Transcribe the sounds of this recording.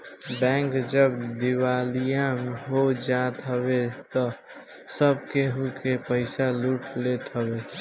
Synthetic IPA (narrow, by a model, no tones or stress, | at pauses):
bɛ̃ŋkd͡ʒəbd̪iwaːlijãmɦod͡ʒat̪ɦəwet̪ɔ | səbkeɦukepəɪsaluʈlet̪ɦəbe